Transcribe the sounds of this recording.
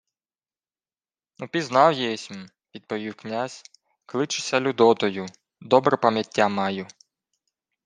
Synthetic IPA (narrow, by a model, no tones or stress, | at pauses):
nupʲiznɑwjɛɛsʲ | ʋʲid̪̚pɔʋʲiwknʲazʲ | klˠɪt͡ʃɪ̥sʲɐlʲʊd̪ɔt̪ɔjʊ | d̪ɔbɾɛpɐmʲjɐtʲːamɑjʊ